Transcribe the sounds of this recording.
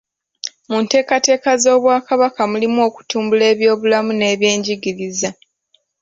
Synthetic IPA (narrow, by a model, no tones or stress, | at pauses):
munte̞ːkate̞ːkazo̞ːβwaːkaβakamulimuo̞ːku̥tuːmbule̞ːβjo̞ːβulamune̞ːβjeːɲɟiɡiɾiza